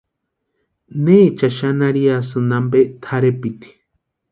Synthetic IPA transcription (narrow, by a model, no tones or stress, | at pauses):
net͡ʃaʃanaɾias̬ɨnambet̪ʰaɾepit̪i̥